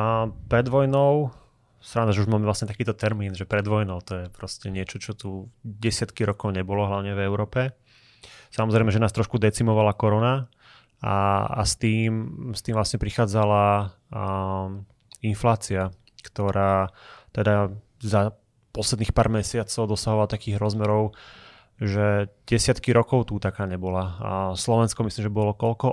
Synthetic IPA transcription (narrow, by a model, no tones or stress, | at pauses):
pɾɛd̪ʋɔjnɔʊ | st̪ɾand̪aʒɛuʒmaːmɛʋlasɲɛt̪akiːt̪ɔt̪ɛɾmiːnʒɛpɾɛd̪ʋɔjnɔʊt̪ɔjɛpɾɔscɛɲɪɛt͡ʃɔt͡ʃɔt̪uɟɛsɪat̪kiɾɔkɔʊɲɛbɔlɔɦlaʊɲɛvɛʊɾɔːpɛ | samɔzɾɛɪmɛʒɛnaːst̪ɾɔʃkud̪ɛt͡simɔʋalakɔɾɔna | a̰a̰st̪iːmst̪iːmvlasɲɛpɾixaːd͡zala | inflaːt͡sia | kt̪ɔɾaːt̪ɛd̪a | za | pɔslɛd̪niːxpaːɾmɛsɪat͡sɔʊd̪ɔsaɦɔʋalt̪akiːɣɾɔzmɛɾɔʊ | ʒɛɟ̥ɛsɪat̪kiɾɔkɔʊt̪ut̪akaːɲɛbɔlaslɔʋɛnskɔmisliːmʒɛbɔlɔkɔʎkɔ